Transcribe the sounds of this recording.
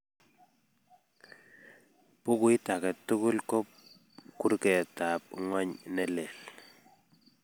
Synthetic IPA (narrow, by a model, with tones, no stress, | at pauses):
pʊ˦kwi˦ta˨kɛ˨tːu˦ku˦lkɔ˦p̚ | ku˦ɾkɛ˨ta˨p̚ŋɔ˦ɲnɛ˦le˨l